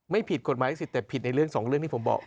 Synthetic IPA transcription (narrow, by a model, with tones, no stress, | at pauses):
ma˥˩jpʰi˨˩t̪̚ko˨˩maː˨˦ja˥si˨˧˩t̪ːɛː˨˩pʰi˨˩t̪̚na˧jɾɯ˥˩əŋsɔː˩˦ŋɾɯ˥˩ŋt̪ʰi˥˩˦mbɔ̰ː˨˩k̚